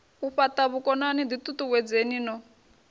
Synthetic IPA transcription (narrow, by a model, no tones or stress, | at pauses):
uɸatʼaβukʼɔnanid̪it̪ʼut̪uwɛd͡zeninɔ